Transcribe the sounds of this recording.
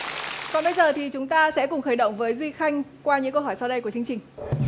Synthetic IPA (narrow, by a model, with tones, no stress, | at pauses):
kɔ˨˩ɓə˧jzəː˨˩t̪ʰi˨˩t͡ɕʊ˨˦ŋ͡mt̪aː˧sɛ̰˧˥kʊ˨˩ŋ͡mxəː˧˩jɗə̰˧˨wŋ͡mvəː˨˦jzwi˧xa˧jŋ̟kwaː˧ɲɨ̰˧˥ŋkə˧wɦɔː˧˩jsa˧wɗə˧jku˧˩ət͡ɕɨ˧əŋt͡ɕï˨˩ŋ̟